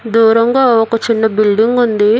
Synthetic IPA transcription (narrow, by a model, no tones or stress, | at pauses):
d̪uːɾɐŋɡaːɔkɐt͡ʃinːɐbilɖiŋɡund̪i